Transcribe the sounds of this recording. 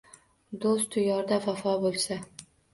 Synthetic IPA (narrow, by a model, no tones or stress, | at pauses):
d̪ost̪ʰʊjɒɾd̪afafɒbolˠsa